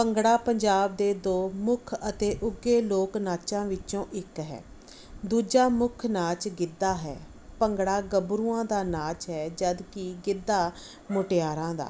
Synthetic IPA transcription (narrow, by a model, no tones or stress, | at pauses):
pəŋɡɽaːpəɲd͡ʒaːb̚d̪eːd̪oːmʊkʰət̪eːʔʊɡeːloːknaːt͡ʃãːʋɪt͡ʃõːʔɪkɦɛ̰ː | d̪uːd͡ʒaːmʊkʰnaːt͡ʃɡɪd̪aːɦɛ̰ː | pəŋɡɽaːɡəbɾuːãːd̪aːnaːt͡ʃɦɛːd͡ʒəd̪kɪɡɪd̪ːaː | mʊʈɪjaːɾãːd̪a̰ː